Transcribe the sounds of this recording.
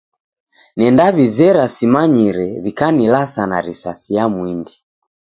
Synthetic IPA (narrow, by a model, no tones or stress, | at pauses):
nɛndaβizɛɾasimaɲiɾɛβikanilasanaɾisasijamwindi